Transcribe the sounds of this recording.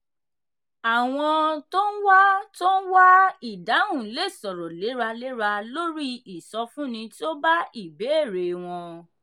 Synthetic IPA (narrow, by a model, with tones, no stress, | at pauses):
a˨w̃ɔ̃˧to˦n̩˦wa˦to˦n̩˦wa˦i˦˨da˨˦ũ˦˨˦le˦˨sɔ˨ɾɔ˨le˨˦ɾa˧le˨˦ɾa˧lo˦ɾi˦i˨sɔ˧fũ˦nĩ˧to˦ba˦i˦˨be˨˦e˦˨ɾe˨w̃ɔ̃˧